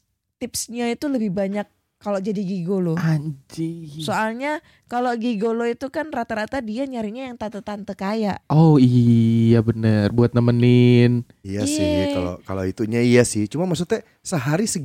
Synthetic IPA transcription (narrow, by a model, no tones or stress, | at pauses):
t̪ɪpsɲait̪uləbɪhbaɲakː | aloʔd͡ʒadiɡiɡoload͡ʒisoʔalɲa | kaloɡiɡoloit̪ukanrat̪aɾat̪adiaɲaɾiɲajaŋt̪at̪ət̪ant̪əkajaʔʔoiabənərbuat̪̚namənɪn | ijasɪkalo̰kalo̰it̪uɲaijasɪht͡ʃumamasut̪ɛ | səɦaɾisə